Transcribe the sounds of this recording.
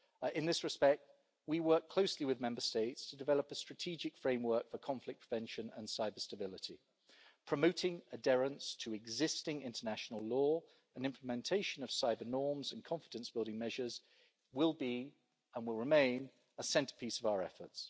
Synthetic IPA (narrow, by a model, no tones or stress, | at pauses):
ɪ̃nðɪsɹɨspɛk̚t̚ | wiwɜˑ˞kʰl̥oʊsliwɪðmɛ̃mbəsteɪtstʰədɨvɛləpəstɹ̥ətʰid͡ʒɪkfɹẽɪ̃mwɜ˞kfəkʰɒ̃ɱflɪk̚pʰɹ̥əvɛ̃nʃə̃nə̰̃nsaɪbəstəbɪlɪtʰi | pʰɹ̥əmoʊtɪ̃ŋədɛɹə̃nstʰəɪɡzɪstɪ̃ŋɪ̰̃ntʰənaʃnəlˠlɔː | ə̃nɪ̃mpʰləmɛ̃ntʰeɪʃə̃nəv̥saɪbənɔːmzə̃nkʰɒ̃ɱfɪdə̃nsb̥ɪlˠdɪ̃ŋmɛʒəz | wɪlˠbi | ə̃nwɪlˠɹɪmẽɪ̃n | əsɛ̃ntə̥pʰisəvaʊəɹɛfəts